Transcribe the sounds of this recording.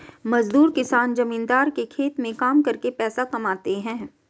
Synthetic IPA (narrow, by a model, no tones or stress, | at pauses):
mɐzd̪uːɾkɪsaːnd͡ʒɐmĩːnd̪aːɾkekʰeːt̪mẽkaːmkɐɾkepɛːsakɐmaːt̪eɦɛ̃ː